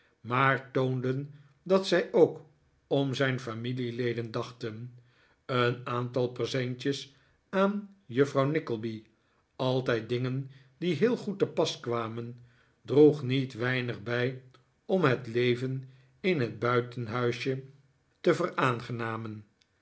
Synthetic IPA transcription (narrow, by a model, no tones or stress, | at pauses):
maːɹtowndən | dɑtsɛjʔowk | ɔmzɛjnfamililejdəndɑχtən | ənaːntɑlˠpəsɛɲt͡ʃəs | aːnjəfrɑwnɪkəlˠbi | ɑlˠtɛjt̚dɪŋən | diɦɪːlˠχutːəpɑskʋaːmən | druχnitʋɛjnəχbɛj | ɔmɦətlejvən | ɪnɦəd̚bœɥtənɦœɥʃə | təvəraːnχənaːmən